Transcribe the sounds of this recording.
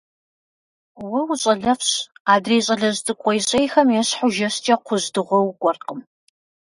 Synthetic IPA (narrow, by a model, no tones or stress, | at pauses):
wʊwɕʼɐɮɐfɕaːdreːɕʼɐɮɐztʼɨkʷʼɔjɕʼejxɐmjɛɕħʊʒɐɕt͡ʃʼɐqʷʰʊzdɨʁʷɔwkʷʼɔrqəm